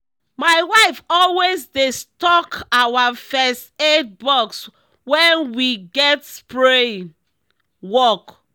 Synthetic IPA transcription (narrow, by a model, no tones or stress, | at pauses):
maɪwaɪfɔlwezdestɔkawafɛstet̚bɔks | wɛ̃nwiɡɛtspɹe | wɔk